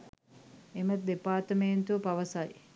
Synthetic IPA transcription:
emət̪̚d̪epaːɾt̪əmeːnt̪uʋɐpɐʋɐsɐj

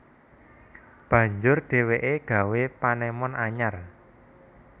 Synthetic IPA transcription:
b̥ä̤ɲd͡ʒʊrɖ̥e̤weʔeɡ̥ä̤wepanɛmɔnaɲar

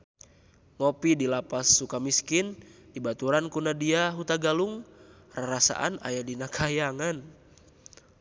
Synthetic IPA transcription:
ŋɔpidilapasːukamiskindibat̪uɾankunadiaɦut̪aɡaluŋ | raɾasa̰ʔana̰jadinakʰajaŋan

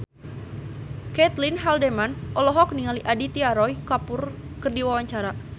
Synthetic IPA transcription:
kɛt̪linɦaldemanʔɔlɔɦɔk̚niŋaliʔadit̪iaɾɔjkapʊr | kərdiwawaɲt͡ʃaɾa

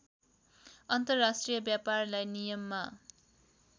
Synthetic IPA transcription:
ʌnt̪ʌrːasʈrijʌbjaparlajnijʌmːa

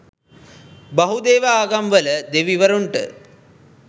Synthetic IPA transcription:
bɐɦud̪eːʋaaːɡamʋələd̪eʋiʋəɾuɳʈə̰

